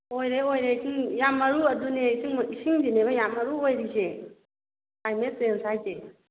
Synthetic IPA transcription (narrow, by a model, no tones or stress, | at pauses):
ojɾeojɾet͡ʃinjamaɾuadunat͡ʃiiʃind͡ʒinebajamaɾuoiɾiʃe | aimesensat͡ʃe